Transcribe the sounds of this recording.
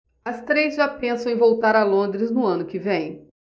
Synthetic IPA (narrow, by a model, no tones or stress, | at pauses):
ɐst̪ɾejzʒapẽsɐ̃w̃ẽj̃vowt̪aɾɐlõnd̪ɾɪznʊɐ̃nʊkɪvẽj̃